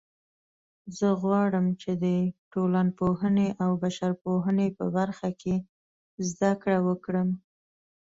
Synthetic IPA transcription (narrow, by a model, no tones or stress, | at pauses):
zəɣwɑɽəmt͡ʃed̪əʈolanpohəneʔawbaʃaɾpoɦənepəbaɾxakʰe | zd̪akɽawəkɽəm